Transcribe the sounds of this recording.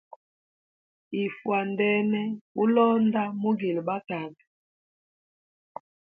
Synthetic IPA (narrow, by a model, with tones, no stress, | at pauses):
i˨fwa˨ndɛ˦nɛ˦u˦lɔ˦nda˦mu˦ɡi˨lba˦ka˨bi˨